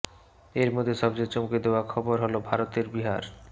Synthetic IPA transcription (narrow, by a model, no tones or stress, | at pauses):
eɾmod̪ʱːeʃɔbd͡ʑet͡ɕomked̪eoakʰɔboɾɦolobʱaɾot̪eɾbiɦa̰ɾ